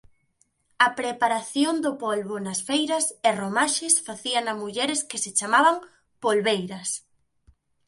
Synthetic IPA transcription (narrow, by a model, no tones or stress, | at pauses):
ɐpɾepaɾaθjond̪ʊpolβʊnɐsfejɾɐseromaʃɪsfaθiɐnɐmuʎɛɾɪskɪset͡ʃamaβɐŋ | polβejɾɐs